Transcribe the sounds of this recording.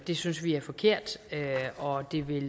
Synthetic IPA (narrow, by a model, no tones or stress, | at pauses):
d̥e̝synsʋiæɐfɒ̽kʰe̝ɐ̰d̥øɒ̽d̥e̝ʋe̝l